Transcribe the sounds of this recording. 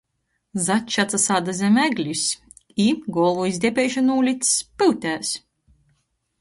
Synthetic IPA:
zat͡ʃːat̪sasaːd̪azʲɛmæɡlʲis | iɡɔːlˠuizʲd̪ʲɛpʲɛjʃanuːlʲit̪spɨwt̪ʲæːs

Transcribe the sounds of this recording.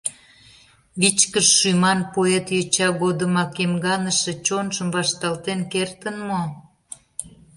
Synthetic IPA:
βit͡ɕkəʃːymɑnpoet̪jøt͡ɕɑɣod̪əmɑkemɡɑnəʃĕt͡ɕonʒəmβɑʃt̪ɑlt̪enkert̪ənmo

